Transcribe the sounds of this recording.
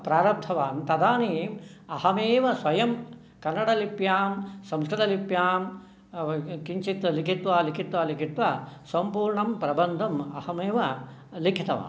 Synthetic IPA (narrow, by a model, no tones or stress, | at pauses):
pɾaːɾɐb̚t̪ʰɐʋaːmt̪ɐd̪aːniːmɐhɐmeːʋɐsʋɐjɐm | kɐnːɐɽɐlipjaːmsɐ̃mskɾit̪ɐlipjaːm | kiɲt͡ʃit̪ɐlikit̪ʋaːlikʰit̪ʋaːlikʰit̪ʋasɐmpuːɾɳɐmpɾɐbɐnd̪ʱɐmɐ̰hɐmeːʋɐlikʰit̪ɐʋa̰ːm